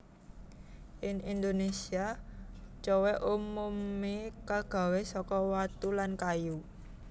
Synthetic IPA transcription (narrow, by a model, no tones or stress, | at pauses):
ʔɪŋind̪onesia | t͡ʃowɛʔumumekaɡ̥a̤wesɔkɔwat̪ulankaju